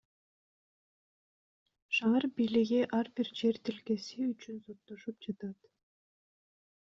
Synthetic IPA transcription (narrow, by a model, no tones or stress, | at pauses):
ʃɑɑɾbijliɣiʔɑɾbiɾd͡ʒe̞ɾt̪ilke̞siyt͡ʃynso̞t̪ːo̞ʃupd͡ʒɑt̪ɑt̪